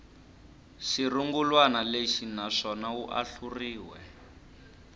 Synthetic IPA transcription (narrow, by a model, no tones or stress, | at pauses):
ʃiruŋɡulwanaleʃinaʂɔnauʔa̰ɬuriːwɛ̰